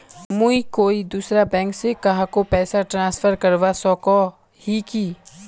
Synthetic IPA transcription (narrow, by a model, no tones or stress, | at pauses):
muikoːid̪uːsɾabɛ̃ːŋksekɐɦãkopɛːsaʈɾãːsfʰəɾkɐɾʋasɔːkɔ | hikiː